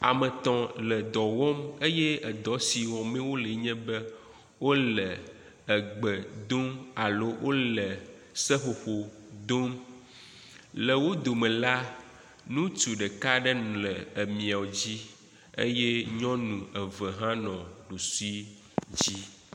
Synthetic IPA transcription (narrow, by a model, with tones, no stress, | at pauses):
a˨mə̃˨t̪ɔ̃˨lə˨d̪ɔ˨wɔ˦me˦jɛ˦ə˨d̪ɔ˨˦si˨wɔ̃˨mɛ̃˦wo˦lɛ˨ɲɛ̃˦bɛ˦ | wo˦lə˨ | ɛ˨ɡ͡bə˨d̪o˦ma˨lo˦wʔo˦lɛ˨ | sɛ˦xo˨xo˨d̪o˦m | lə˨wo˦d̪o˨mɛ̃˨la˦ | nũ˦t͡ʃu˨ɖɛ˨ka˦ɖɛ˦n˨lɛ˨ə˨mĩ˨a˨wo˨d͡ʑi˦ | ḛ˦jɛ˦ɲɔ̃˦nũ˨ə˨və˨ɦã˦nɔ̃˨ɖo˨su˦i˦ | d͡ʑi˦